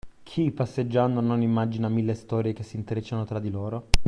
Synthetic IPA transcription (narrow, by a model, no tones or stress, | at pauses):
kʰipːasːed͡ʒːand̪onːonimːad͡ʒinamilːest̪ɔːɾjek̟esːint̪ɾet͡ʃːanot̪ɾad̪ːiloːɾo